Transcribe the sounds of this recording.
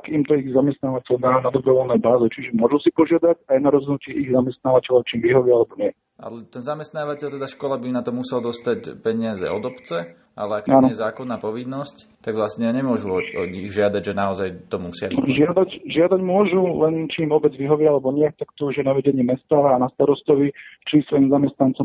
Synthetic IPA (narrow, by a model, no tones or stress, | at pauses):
akimt̪ɔiɣzamɛst̪naːʋacɛld̪aːnad̪ɔbɾɔʋɔlnɛjbaːzɛt͡ʃiʒɛmʊɔʒusipɔʒɪad̪acajnaɾɔznucɪɛʔiɣzamɛst̪naːʋacɛlɔʊt͡ʃiːmʋiɦɔʋialɛbɔɲɪɛ | ʔa̰lɛt̪ɛnzamɛst̪naːʋacɛʎt̪ɛd̪aʃkɔlabinat̪ɔmusɛld̪ɔst̪acpɛɲɪazɛ̰ɔd̪ɔpt͡sɛ | ʔa̰lɛakaːnɔɛzaːkɔnːaːpɔʋinːɔsct̪aɡʋlasɲɛjaɲɛmʊɔʒuɔɔɲiɣʒɪad̪aɟʒɛnaɔzajt̪ɔmusɪa̰ʒɪad̪acʒɪad̪aɟmʊɔʒulɛnt͡ʃiːmɔbɛd͡zʋiɦɔʋɪalɛbɔɲɪɛt̪akt̪ɔuʒjɛnaʋɛɟɛɲɪɛmɛst̪aːnast̪aɾɔst̪ɔʋit͡ʃisʋɔjimzamɛst̪nant͡sɔ